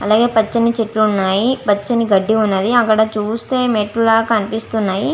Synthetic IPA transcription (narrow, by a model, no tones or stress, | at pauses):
ɐlaːɡe̞ːpɐt͡ʃːɐnit͡ʃeʈluːnːaːjipɐt͡ʃːɐniɡɐɖːiunːɐd̪iɐkːɐɽɐt͡ʃuːst̪e̞ːmeːʈːulaːɡɐkɐnipist̪unːaːji